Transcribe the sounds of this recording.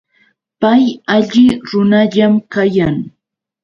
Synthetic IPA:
pajaʎɪɾʊnaʎamkajaŋ

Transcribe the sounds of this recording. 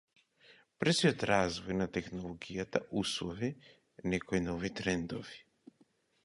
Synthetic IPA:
pɾsiɔt̪ɾazvɔjnat̪ɛxnɔlˠɔɡijat̪a̰ʔuslˠɔvi | nɛkɔinɔvit̪ɾɛnd̪ɔvi̥

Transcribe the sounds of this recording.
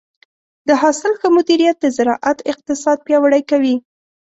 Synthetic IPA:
d̪̥əɦɑsɪlxəmʊd̪iɾijat̪̚d̪əzɪɾɑʔat̪ɪq̚t̪ɪsɑd̪̚pjɑwaɽajkawi

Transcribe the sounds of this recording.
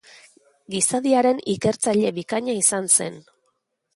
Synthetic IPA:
ɡisaðiaɾe̞nike̞ɾt͡saʎe̞βikaɲaisanse̞n

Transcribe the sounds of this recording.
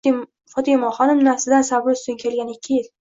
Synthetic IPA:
fɒt̪ʰɪjmɒχɒnɪmnaɾsɪd̪ansabɪɾʊst̪ʊŋkʲʰe̞lɡʲanɪkʲʰːɪjɪl

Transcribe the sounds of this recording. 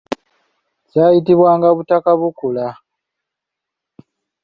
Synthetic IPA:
caːjitiβwaːŋɡaβutakaβukula

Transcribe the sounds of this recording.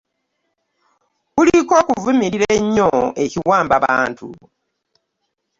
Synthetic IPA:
βuliko̞ːkuvumiɾiɾeɲːoeciwaːmbaβa̰ːntṵ

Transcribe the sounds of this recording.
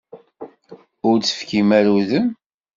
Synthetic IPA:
ʊɾt͡sːə̥fkimæɾuðən

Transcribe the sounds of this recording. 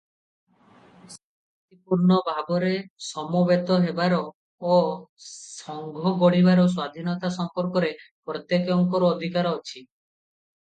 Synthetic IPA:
s | aat̪ipuɾnɔbʱabɔɾesɔmɔbet̪ɔɦebaɾɔː | sɔŋɡʱɔɡoɽibaɾɔs̬wad̪ʱinɔt̪asɔmpɔɾkɔɾepɾɔt̪jekɔŋkɔɾɔːd̪ʱikaɾɔɔt͡ʃʰi

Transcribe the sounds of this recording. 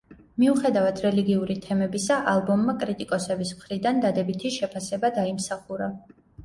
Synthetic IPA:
miuχɛd̪avad̪ʰɾɛliɡiuɾit̪ʰɛmɛbisaʔalˠbɔmːakʼɾit̪ʼikʼɔsɛbismχɾid̪and̪ad̪ɛbit̪ʰiʃɛpʰasɛbad̪aimsaχuɾa

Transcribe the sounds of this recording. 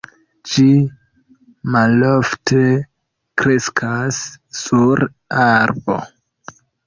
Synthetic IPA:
d͡ʒi | malo̞ftʰe̞ | kɾe̞skʰasːuɾ | aɾbo̞̰

